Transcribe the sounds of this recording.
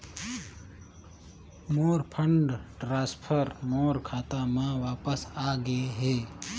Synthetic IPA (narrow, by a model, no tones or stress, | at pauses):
moːɾpʰə̃ɳɖʈɾaːspʰəɾmoːɾkʰaːt̪amãʋaːpəsaːɡəeɦeː